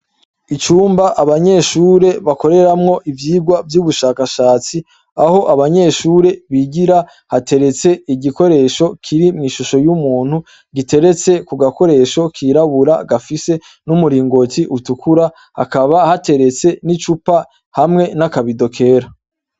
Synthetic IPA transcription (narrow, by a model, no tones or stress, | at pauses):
it͡ʃuːmbaʔaβaɲe̞ʃuːɾe̞βako̞ɾe̞ɾamŋo̞ʔivjiːɡwavjuːβuʃaːkaʃaːt͡si | aho̞ʔaβaɲe̞ʃuːɾe̞βiɟiɾa | hate̞ɾe̞t͡se̞iɟiko̞ɾe̞ːʃo̞kʰiɾimŋiːʃuʃo̞jumuːn̥hu | ɡite̞ɾe̞t͡se̞kuɡako̞ɾe̞ːʃo̞kʰiɾaβuɾaɡafise̞ | numuɾiːŋɡotiʔutukʰuɾa | ha̰kaβahate̞ɾe̞t͡se̞nit͡ʃupa | hamŋe̞nakaβido̞kʰe̞ːɾa